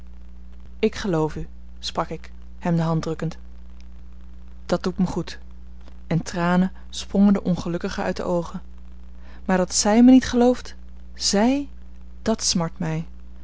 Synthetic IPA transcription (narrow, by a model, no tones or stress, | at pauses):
ɪkχəlowfy | sprɑkɪk | hɛmdəɦɑndrɵkənt | d̥ɑt̚d̥utməχut | ɛntraːnə | sprɔŋəndəʔɔnχəlɵkəχəœ̰ɥtdə̰ʔowχən | maːɹdɑtsɛjmənitχəlowft | z̥ɛj | d̥ɑtsmɑɹtmɛj